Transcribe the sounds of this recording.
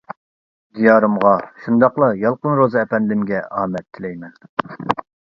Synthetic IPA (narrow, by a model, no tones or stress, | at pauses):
d̪ijɑːɾɨmʁɑʃund̪ɑqlˠɑjɑlˠqənɾozɨɛpɛnlɪmɡʲɛʔɑːmɛt̪ʰːɪlɛjmɛn